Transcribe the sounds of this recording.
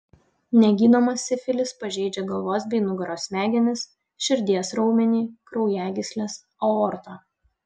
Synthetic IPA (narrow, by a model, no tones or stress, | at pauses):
nʲɛɡʲiːnomɐsːʲɪfʲɪlʲɪspɐʒʲɛɪd͡ʒʲɛɡɐlˠʋoːsbʲɛɪnʊɡɐɾoːsʲmʲæːɡʲɛnʲɪs | ʃʲɪɾʲd̪ʲiɛsɾɒʊmʲɛnʲiːkɾɒʊjæːɡʲɪsʲlʲɛs | oɔɾt̪oː